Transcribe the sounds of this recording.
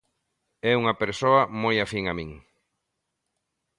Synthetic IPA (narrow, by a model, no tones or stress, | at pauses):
ɛuŋɐpeɾsoɐmojafiŋamĩŋ